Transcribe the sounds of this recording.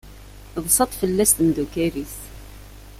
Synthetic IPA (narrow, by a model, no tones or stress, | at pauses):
bsˤɑt̪ˤfəlːæst̪md̪ukæɾis